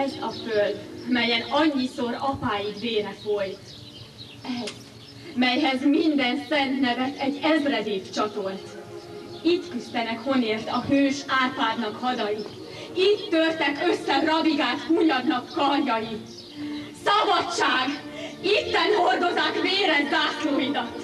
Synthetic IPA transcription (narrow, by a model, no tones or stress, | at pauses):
ɛzɒføld̪mɛjɛnɒɲːisoɾɒpaːjiɡveːɾɛfo̞jt̪ | ɛz | mɛjɦɛzmind̪ɛnsɛnt̪nɛvɛt̪ɛɟːɛzrɛd̪eːft͡ʃɒt̪olt̪ | it̪kyst̪ɛnɛkho̞neːrt̪ɒɦøːʃaːpaːd̪nɒkhɒd̪ɒjit̪ | it̪ːørt̪ɛkøsːɛrɒbiɡaːt̪kuːɲɒɡnɒkːɒrjɒjit̪ | sɒbɒt͡ʃːaːɡ | it̪ːɛnho̞rd̪o̞zakmeːɾɛnd̪aːtloːjid̪ɒt̪ː